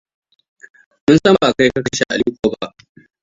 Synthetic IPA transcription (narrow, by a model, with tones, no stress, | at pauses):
mʊ˦nsɐ˦mba˨ka˦jkɐ˦kɐ˦˨˦ʃa˦ʔa̰˨liː˦kʷoː˨ba˦ʔ